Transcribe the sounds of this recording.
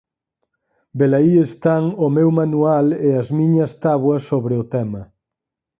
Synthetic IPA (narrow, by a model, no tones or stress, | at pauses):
belaiest̪aŋʊmewmanualeɐzmiɲɐst̪aβwɐsːoβɾeʊt̪ɛmɐ